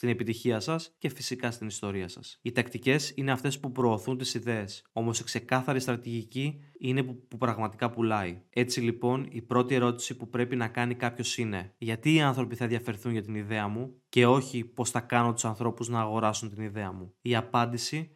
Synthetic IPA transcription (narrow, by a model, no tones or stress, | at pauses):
st̪ine̞pit̪içiɐsɐsce̞fisikɐst̪inist̪o̞ɾiɐsɐ̰sit̪ɐkt̪ice̞sine̞ɐft̪e̞spupɾo̞ːθunt̪isiðe̞ːso̞mo̞si̥kse̞kɐθɐɾist̪ɾɐt̪iʝiciine̞pupɾɐɣmɐt̪ikɐpulɐie̞t͡silipo̞nipɾo̞t̪ie̞ɾo̞t̪i̥sipupɾe̞pinɐkɐnikɐpço̞sine̞ʝɐt̪iːɐnθɾo̞piθɐenðʝɐfe̞ɾθunʝɐt̪iniðe̞ɐmuce̞o̞çipo̞sθɐkɐnot̪u̥sɐnθɾo̞puznɐːɣo̞ɾɐsunt̪iniðe̞ɐmuiɐpɐnd̪isi